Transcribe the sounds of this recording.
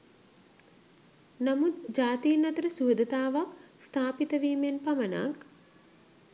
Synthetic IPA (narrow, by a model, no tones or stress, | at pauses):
namut̪d͡ʒaːt̪ijənːɐt̪əɾəsuːd̪ət̪aːʋakst̪ʰaːpit̪əʋiːmenpaməna̰k